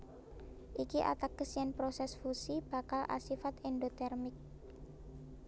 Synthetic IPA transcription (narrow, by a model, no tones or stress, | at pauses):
ʔikiʔa̰t̪ak̚ːəsianpɾosɛsfusib̥a̤kalʔa̰sifat̪ɛndot̪ɛrmɪk̚